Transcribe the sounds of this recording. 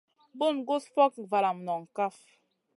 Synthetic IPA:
bo˦˨nɡo˦sfɔ˦k̚va˨la˨mnɔ˨ŋ˨ka˦f

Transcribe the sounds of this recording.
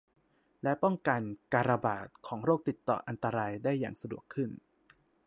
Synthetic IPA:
lɛ˦˥pɔ˥˩ŋka˧nkaː˧ɾa˧ba̰ː˨˩t̪̚kʰɔː˩˦ŋɾoː˥˩k̚t̪i˨˩t̪ːɔ̰ː˨˩ʔa˧nt̪a˧ɾaː˧jdaː˥˩jːa̰ː˨˩ŋsa˧du˨˩əkʰːɯ˥˩n

